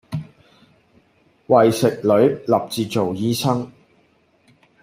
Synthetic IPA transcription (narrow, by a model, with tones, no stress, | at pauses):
wɐ˨jsɪ˨k̚lɵ˨˧˥ɥlɐ˨p̚t͡siː˨t͡so˨wjiː˧˥sɐ˥ŋ